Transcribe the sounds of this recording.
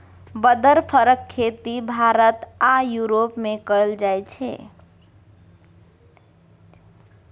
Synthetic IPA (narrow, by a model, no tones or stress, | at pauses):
bəd̪əɾpʰəɾəkʰːet̪ibʱaɾət̪ajuɾopmekəld͡ʒajt͡ʃʰɛ̰